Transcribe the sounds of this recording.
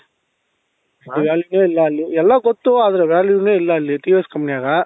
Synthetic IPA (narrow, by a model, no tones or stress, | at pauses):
iʋaːljuneːɪlːɐɪlːiɛlːaːkɔt̪ːuɐðɪlɐʋaːljuneːɪlːɐɪlːɪt̪iːʋeskɐmpɐnɪjaːɣɐ